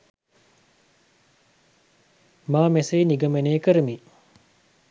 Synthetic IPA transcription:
maːmɛseːniɡəməneːkəɾəmi

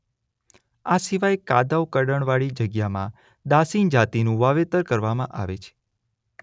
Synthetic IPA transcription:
asiʋajkad̪awkəɖəɳʋaɭid͡ʒəɡjamã̰ | d̪asind͡ʒat̪inũʋaʋet̪əɾkəɾʋamãʔaʋḛt͡ʃʰe̥

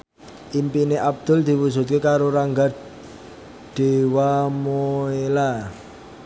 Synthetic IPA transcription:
ʔimpineʔab̚d̪̥ʊ̤ld̪̥i̤wusṳt̪̚kekaɾoɾaŋɡar | ɖ̪̥e̤wamoela

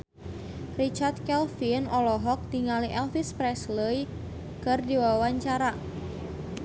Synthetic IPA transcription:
rit͡ʃart̪̚kɛlfinɔlɔɦɔk̚t̪iŋaliʔɛlfispɾɛsləj | kɨrdiwawaɲt͡ʃaɾa

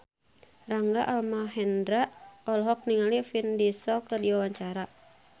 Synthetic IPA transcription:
raŋɡaʔalmaɦɛndɾaʔɔlɦɔk̚niŋalifindisɔkərdiwawaɲt͡ʃaɾa

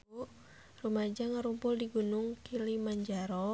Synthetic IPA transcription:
rumad͡ʒaŋaɾumpʊldiɡunʊŋkilimaɲd͡ʒaɾɔ

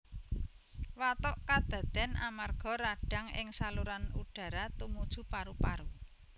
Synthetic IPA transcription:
wat̪ɔʔkad̪̥ä̤d̪̥ɛ̤nʔamarɡ̥ɔ̤ɾaɖ̥a̤ŋɪ̰ŋsaluɾanuɖ̥ä̤ɾat̪umud̥ʒ̥ṳpaɾupaɾu

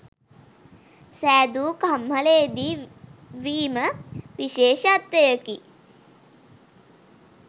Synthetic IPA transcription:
sæːd̪ukɐmɦɐleːd̪i | ʋiːmɐʋiʃeːʃɐːt̪ʋɐjɐki

